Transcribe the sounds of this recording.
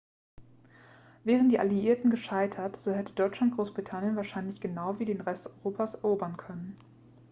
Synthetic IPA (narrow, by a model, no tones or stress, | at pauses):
vɛːʁ̞əntd̥iːʔaliiːɐtn̩ɡəʃaɪtʰɐtz̥oːɦɛtədɔʏt͡ʃlant̚ɡ̥ʁoːsb̥ʁitʰanjənvaːɐʃaɪnlɪçɡ̥ənaʊviːdeːnʁɛstɔʏʁoːpʰasɛɐʔoːbɐnkʰœnən